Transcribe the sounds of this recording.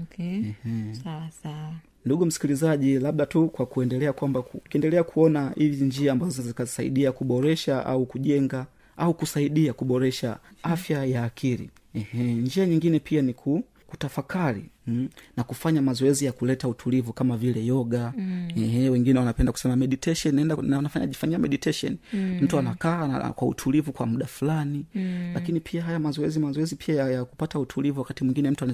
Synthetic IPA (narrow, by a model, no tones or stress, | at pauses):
kɛh | a | nduɡum̩si̥kilizaʄilaɓɗatukwakuɛndɛlɛakwambakukiɛndɛlɛakʰuɔnahiviɲd͡ʒiaːmbazɔzɔzikasaḭɗiakuɓɔɾɛʃaʔa̰ukuʄɛŋɡa | ʔaukusaiɗiakuɓɔɾɛʃa̰afjajaːkʰiɾḭ | ɛhɛɲd͡ʒiaɲiŋɡinɛpʰianikʰu | kutafakʰaɾḭnakufaɲamazɔɛzijakulɛtautʰulivukamavilɛjɔɠaɛhɛwɛŋɡinɛwanapɛndaku̥sɛmamɛɗitɛʃɔnaɛndaanafaɲa̰ʄifaɲiamɛɗitɛʃɔ̰nim̩tuanaka̰ːkwaṵtʰulivukwa̰muɗafulanilakinipʰiaɦajamazɔɛzimazɔɛzipʰiajajaku̥patautʰulivuwakatimwiŋɡinɛm̩tuan